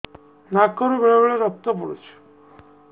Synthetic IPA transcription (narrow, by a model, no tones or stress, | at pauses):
nakːɔɾubeɭebeɭeɾɔk̚t̪ɔpɔɽṵt͡ʃʰu̥